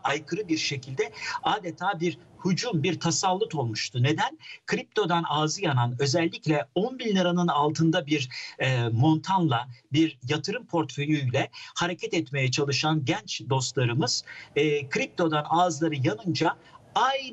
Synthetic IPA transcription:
ajkʰɯɾɯbiɾʃe̞cʰilʲd̪ɛaːd̪et̪ʰaːbiɾhud͡ʒumbiɾt̪ʰasalˠːut̪o̞lˠmuʃt̪ʰune̞d̪ænkʰɾip̚t̪ʰo̞d̪anaːzɯjananø̞zɛlʲːiclʲɛonbilʲːɯɾanɯnalˠt̪ʰɯnd̪abiɾ | mo̞nt̪ʰanlˠabiɾjat̪ʰɯɾɯmpʰo̞ɾt̪fø̞jyjlʲɛhaɾe̞cʰɛt̪ɛt̪me̞jɛt͡ʃʰalˠɯʃanɟænt͡ʃd̪o̞st̪lˠaɾɯmɯz̥ːkʰɾip̚t̪ʰo̞d̪anaːzlˠaɾɯjanɯnd͡ʒaaj

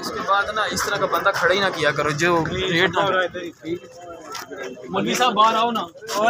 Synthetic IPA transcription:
ɪskeːbaːd̪nãːɪst̪əɾãːkabə̃nd̪aːkʰəɽaːiːnãkɪjaːkəɾoːd͡ʒoːɾeːʈːɾat̪ːʰiː | məniːsãːbaːɾaːonãː

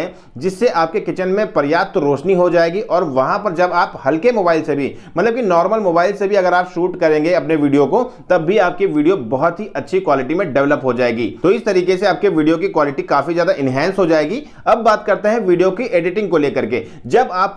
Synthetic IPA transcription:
ɛ̃ | d͡ʒɪsːeʔaːp̚kekɪt͡ʃənmẽpɐɾjaːt̪ɾoːʃniɦod͡ʒaːeːɡiʔɔːɾʋɐɦãpɐɾd͡ʒɐbaːphɐlkemoːbaːɪlsebʱimɐt̪ləb̚kinɔːɾməlmoːbaːɪlsebʱiɐɡəɾaːpʃuːʈkɐɾẽːŋɡeɐpneʋiːɖijokot̪ɐbːiaːp̚kiʋiːɖijobɐɦɔt̪ɦiʔɐtːʃʰikwaːlɪʈimẽɖɛʋləpɦod͡ʒaːeːɡḭːt̪oɪst̪ɐɾiːkeseaːp̚keʋiːɖijokikwaːlɪʈikaːfizjaːd̪aʔɪnɦɛ̃ːnsɦod͡ʒaːeːɡi | ɐbːaːt̪kɐɾt̪eɦɛ̃ʋiːɖijokiʔeːɖɪʈɪ̃ŋɡkoleːkɐɾke | d͡ʒɐbaːp

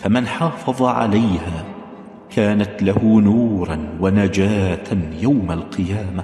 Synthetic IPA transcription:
famɪnħɑːfɑðˤɑʕa̰lajhaː | kaːnat̪lahʊnuːɾˤɑnwanad͡ʒaːt̪ʰajawmalqɨjaːma

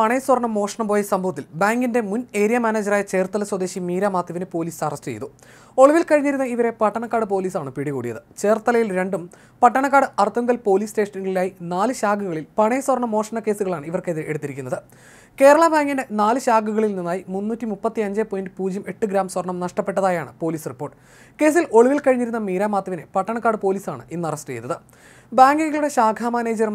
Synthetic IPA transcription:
pɐɳe̞ːswɐrɳɐmːo̞ːʂɐɳɐmbo̞ːjɐsɐmbʱɐʋɐt̪ːilbaːŋɡinde̞mune̞ːɾijɐmaːneːd͡ʑɐraːjɐt͡ɕe̞ːrt̪ːɐlɐswɐd̪e̞ːɕimiːɾaːmaːt̪jɐʋinɨpo̞ːliːsɐrɐstɨt͡ɕejt̪ːu | o̞ɭuʋilkɐɻiɲːiɾunːɐiʋɐɾe̞pɐʈːɐɳɐkːaːɽɨp̬o̞ːliːsaːɳɨpiɽikṵːɽijɐ̰ðɨt͡ɕe̞ːrt̪ɐlɐjilɾe̞ɳɖum | pɐʈːɐɳɐkːaːɽɨʔɐrt̪ʰːɐŋɡɐlpo̞ːliːste̞ːʂɐnuɣɐɭilaːjinaːlɨɕaːɡuɣɐɭilpɐɳeːswɐrɳɐmːoːrʂɐnɐke̞ːsuɣɐɭaːɳɨiʋɐrkeðɨʔe̞ɽut̪ːiɾikʲːunːɐðɨ | ke̞ːɾɐɭabaːŋɡinde̞naːlɨɕaːɡuɣɐɭilninːaːjimunːuːtːimupːɐt̪ːiɐɲd͡ʑeːpːojindɨpuːd͡ʑjɐme̞ʈːɨɡɾaːmswɐrɳɐmnɐʂʈɐpːe̞ʈːɐðaːjaːɳɨpo̞ːliːsripːo̞ːʈːɨ̥ | ke̞ːs̬ilo̞ɭuʋilkɐɻiɲːiɾunːɐmiːɾaːmaːt̪ːjɐʋinepɐʈːɐɳɐkːaːɽɨpo̞ːliːsaːɳɨʔinːɨɐrɐstɨt͡ɕejt̪ːɐðɨ | baːŋɡiŋɡɐɭuɽe̞ɕaːɡʱaːmɐne̞ːd͡ʑɐɾɐm

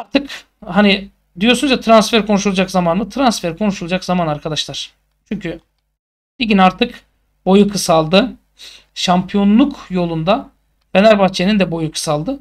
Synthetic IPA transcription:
aɾt̪ʰɯk | hani | d̪ijo̞sunzd͡ʒat̪ʰɾansfeɾkʰo̞nuʃulˠad͡ʒakzamanɯt̪ʰɾansfeɾkʰo̞nuʃulˠad͡ʒakzamanaɾkʰad̪aʃlˠaɾ̥ | t͡ʃʰyɲcʰy | biɟinaɾt̪ʰɯk | bo̞jukʰɯsalˠd̪ɯ | ʃampʰijo̞nlˠukjo̞lˠund̪a | benæɾbaht͡ʃʰe̞nind̪ɛbo̞jukʰɯ̥salˠd̪ɯ

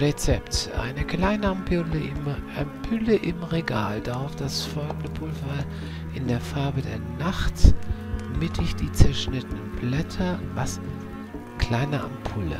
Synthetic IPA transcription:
ʁet͡sɛptʔa̰ɪnəkl̥aɪnəampʰɪləɪmʔampʰʏləʔɪmʁeɡa̰ːldaʁaʊfd̥asfɔlɡ̚ŋ̩dəpʰʊlvɐ | ʔɪndeːɐfaɐbədḛːɐnaχt | mɪtʰɪçd̥iːt͡sɛɐʃnɪtənənblɛtʰɐvasn̩ | kl̥aɪnəʔa̰mpʰʊlə̰

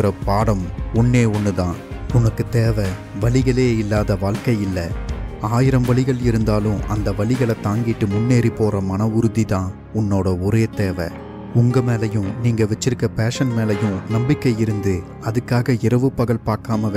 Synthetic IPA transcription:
ɾɐpaːɽɐmʊnːeːɔnːɯðãːʊnɐkːɯt̪eːʋɐ | ʋɐɭɪɣɐɭeːɪlːaːðɐʋaːɭkɐjɪlːɐaːjɪɾɐmʋɐɭɪɣɐɭɪɾɯnd̪aːlɯ̃ɐ̰nd̪ɐʋɐɭɪɣɐɭɐt̪ːaːŋɡɪʈːɯmʊnːeːɾipːoːrɐmɐnɐʊɾɯðiðãː | ʊnːoːɽɐɔɾeːt̪eːʋɐ̰ | ʊŋɡɐmeːlɐjɯ̃mniːŋɡɐʋɛt͡ʃːɪɾɯkːɐpeːʂɐnmeːlɐjɯ̃nɐmbɪkːɐjɪɾɯnd̪ɯ | ɐðɯkːaːɣɐɪɾɐʋɯpːɐɣɐɭpaːɾkaːmɐʋ

